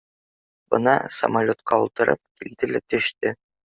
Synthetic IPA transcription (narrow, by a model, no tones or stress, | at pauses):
bɤ̰nɑ̰sɐ̰mɐlʲot̪qɑulˠt̪ɤ̆ɾɤp̚kild̪ɘlæt̪ɵ̆ʃt̪ɘ